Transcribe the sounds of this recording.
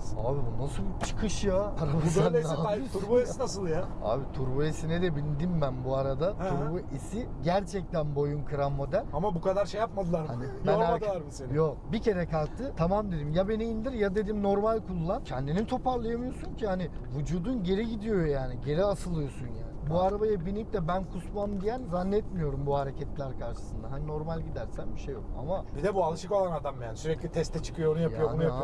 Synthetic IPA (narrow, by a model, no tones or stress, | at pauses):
a̰ːbibunasɯlˠt͡ʃʰɯ̥kʰɯʃjaaɾabasanaajbit̪ʰuɾbuesinasɯlˠjaa̰ːbit̪ʰuɾbuisined̪ɛbinʲd̪imbænbuaɾad̪auɾbuʔisiɟæɾt͡ʃʰɛc̚t̪ænbo̞junkʰɯɾanmo̞d̪ælʲamabukad̪aɾʃejːap̚mad̪ɯlˠaɾhanibænæmad̪ɯaɾbiseljokbicʰe̞ɾɛkʰalˠk̚t̪ʰɯt̪ʰamamd̪e̞d̪imjabe̞niːnd̪iɾjad̪e̞d̪imno̞ɾmalʲkʰulˠuːancʰɛnd̪init̪ʰo̞pʰaɾlˠajamɯjosuncʰihanivud͡ʒuːd̪unɟe̞ɾiɟid̪ijo̞jaːniɟe̞ɾiasɯlˠɯjo̞sunja̰ːnbuaɾabajabinip̚t̪ɛbænkʰusmand̪ijænzanːɛt̪mijo̞ɾumbuhaɾe̞cʰɛt̪lʲæɾkʰaɾʃɯ̥sɯnd̪aɦanino̞ɾmalʲɟid̪æɾsænbiʃejo̞̰ka̰mabid̪ɛbualˠɯʃɯko̞lˠanad̪amjansyɾɛcʲlʲit̪ʰɛst̪ʰɛt͡ʃʰɯ̥kʰɯjoonujajʰɯjoonuja